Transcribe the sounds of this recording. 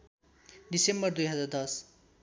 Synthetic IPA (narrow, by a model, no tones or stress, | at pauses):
ɖisembʌrd̪ujɦʌd͡zard̪ʌs